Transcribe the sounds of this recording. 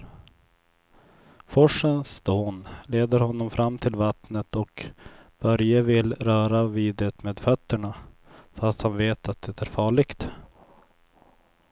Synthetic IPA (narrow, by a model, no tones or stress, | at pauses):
fɔʂənst̪oːnleːd̪əɾhɔnːɔmfɾʔamːt̪ʰɪlvat̪nət̪ɔkb̥œɾjavɪlɾœːɾaviːd̪ət̪meːd̪fœt̪ːəɳafast̪hanveːt̪ʰat̪̚d̪ɛt̪ʰæɾfɑːɭɪɡ̥t̪